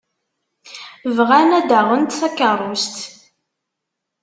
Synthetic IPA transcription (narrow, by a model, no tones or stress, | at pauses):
vʁænæd̪əʁənt̪θækːərˤːust̪